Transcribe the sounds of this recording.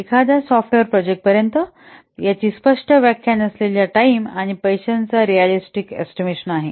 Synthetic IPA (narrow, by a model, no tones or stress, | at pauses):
ekʰad̪jasɔfʈʋeɾpɾɔd͡ʑek̚ʈ̚pəɾjənt̪ə | jat͡ɕiːspəʂʈʰəʋjakʰːjanəsleljaʈaimaɽ̃ipəjɕənt͡saɾijalisʈikḛsʈimeɕənaɦe